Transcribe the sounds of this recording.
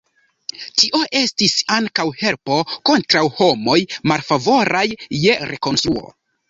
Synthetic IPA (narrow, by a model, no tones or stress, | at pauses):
tiʔo̞ʔe̞stisaŋkawhe̞lpo̞ko̞ntɾawho̞mo̞jmalfavo̞ɾʔajːe̞ɾe̞ko̞nstɾuo̞̰